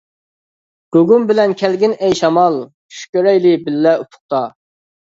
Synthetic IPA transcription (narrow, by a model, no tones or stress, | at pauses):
ɡ̥øɡumbɪlɛnkʲʰælɡʲinɛjʃɑmɑlˠ | ʃy̥kʲøɾɛjlɪbɪlːɛut̪ʰʊ̥χ̚t̪ɑ